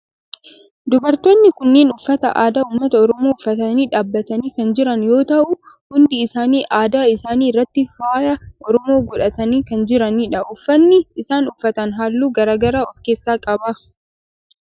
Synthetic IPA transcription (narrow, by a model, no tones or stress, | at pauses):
d̪ʊbɐɾt̪oːnːɪkʊnːe̞ːnʊfːɐt̪ɐʔaːd̪aːuːmːɐt̪ɐɔɾɔmoːʊfːɐt̪ɐniːᶑaːbːɐt̪ɐniːkɐnd͡ʒɪɾɐnjo̞ːt̪ɐʔʊ | hʊnd̪ɪːsaːniːʔaːd̪aːɪsaːniːɪrːɐt̪ːɪfaːjɐʔɔɾɔmo̞ːɡɔᶑɐt̪ɐniːkɐnd͡ʒɪɾɐniːᶑɐʔʊfːɐnːɪɪsaːnʊfːɐt̪ɐnɦaːlːuːɡɐɾaːɡɐɾaːɔfkeːsːaːkʼɐba